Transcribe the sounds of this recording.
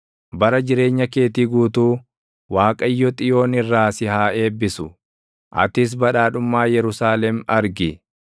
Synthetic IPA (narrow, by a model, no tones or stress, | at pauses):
bɐɾɐd͡ʒɪɾe̞ːɲːɐke̞ːt̪iːɡuːt̪uː | waːkʼɐjːɔt̪ʼɪjo̞ːnɪrːaːsɪhaːe̞ːbːɪsʊ | ʔɐ̰t̪ɪs̬bɐᶑaːᶑʊmːaːjɛɾʊsaːlɛmɐɾɡɪ